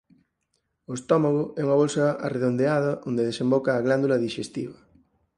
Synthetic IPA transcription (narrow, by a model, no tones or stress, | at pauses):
oest̪ɔmaɣoɛuŋaβolsaa̰reðond̪eað̞ɐʔond̪eðesẽmbɔkaːɣland̪ulaðiʃest̪iβɐ